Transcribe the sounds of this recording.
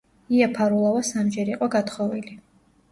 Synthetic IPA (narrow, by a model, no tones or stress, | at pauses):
iapʰaɾulˠavasamd͡ʒɛɾiqʼɔɡat̪ʰχɔvili